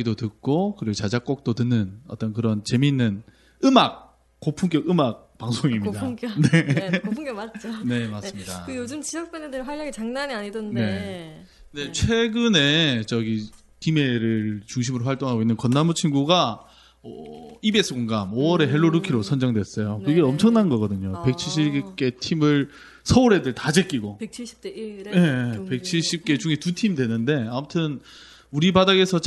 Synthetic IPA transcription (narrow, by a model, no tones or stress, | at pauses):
idotɯk͈okɯɾiɡot͡ɕad͡ʑak͈ok̚t͈otɯnːɯnʌt͈ʌnkɯɾʌnt͡ɕe̞minːɯn | ɯmak̚ | k͈opʰuŋk͈jʌɡɯmak̚paŋsʰoŋimɲidaŋknepʰŋkjʌmat̚t͡ɕ͈one̞mas͈ɯmɲidakɯjod͡ʑɯmt͡ɕiʌk̚p͈ʌnedɯɾwaʎːʌɡet͡ɕaŋnaɲiaɲidʌndne | ne̞t͡ɕʰwe̞ɡɯne̞t͡ɕʌɡi | kime̞ɾɯɭt͡ɕuŋɕ̬ʰimɯɾoɸaɭt͈oŋɦaɡoinːɯnkʌnːamut͡ɕʰinɡuɡa | ʌibe̞sʰɯkoŋɡamoʌɾe̞ɦe̞ɭːoɾukʰiɾosʰʌnd͡ʑʌŋdwes͈ʌjokɯɡeʌmt͡ɕʰʌŋnanɡʌɡʌdɯɲope̞k̚t͡ɕʰiɭɕ̬͈ʰip̚k͈e̞tʰimɯɭ | sʰʌoɾe̞dɯɭtad͡ʑek͈iɡopk̚t͡ɕʰɕ̚jepe̞k̚t͡ɕʰiɭɕ͈ip̚k͈e̞t͡ɕuŋetutʰimidwe̞nɯnde̞amutʰɯn | uɾibadaɡe̞sʰʌt͡ɕ